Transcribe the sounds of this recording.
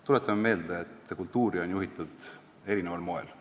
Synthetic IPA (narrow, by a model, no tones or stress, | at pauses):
t̪ulet̪ːˑɑmme̞ːld̪eet̪ːkult̪ːuːɾio̞njuɦit̪ːˑud̪̥ | e̞ɾinevɑlmo̞ḛl